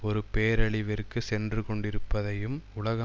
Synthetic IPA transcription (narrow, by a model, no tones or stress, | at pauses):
ɔɾɯpeːɾɐɭɪʋɪrkːɯsɛndrɯkɔɳɖɪɾɯpːɐðɐjɯmʊlɐɣɐ